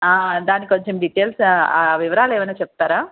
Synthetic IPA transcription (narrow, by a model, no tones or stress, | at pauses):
aːd̪aːnikʲikoɲt͡ʃemɖiʈeːlsaːʋiʋɐɾaːleːʋɐnːaːt͡ʃɛp̚t̪aːɾaː